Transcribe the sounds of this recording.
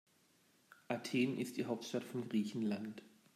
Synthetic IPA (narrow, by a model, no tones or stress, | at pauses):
ʔatʰeːnʔɪst̚d̥iːɦaʊp̚tʃtatfɔnɡʁiːçn̩lant